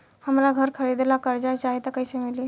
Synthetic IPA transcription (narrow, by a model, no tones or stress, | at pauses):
həmɾaɡʱəɾkʰəɾid̪elakəɾd͡ʒajt͡ʃaɦit̪əkəjsemili